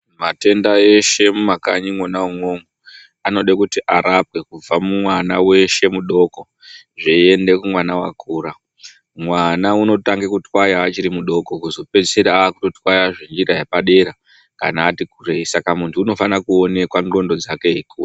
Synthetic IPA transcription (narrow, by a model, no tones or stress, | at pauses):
mate̞ndae̞ʃe̞mumakaɲimwonauŋo̞ŋɡu | ano̞ɗakutiʔaɾap̚e̞kub͡vamumwanawe̞ʃe̞muɗo̞ko̞ | ʐiende̞kumwanawakʰuːɾa | mwanauno̞taŋɡekutwajaːt͡ʃiɾimuɗo̞kokuzo̞pe̞d͡ziseɾaːkutotwajaʐind͡ʒiɾaɦepaɗe̞ɾa | kanaːtikureisakamuntʰuːno̞fanakuo̞ne̞kwaŋɡo̞ndo̞d͡zake̞iku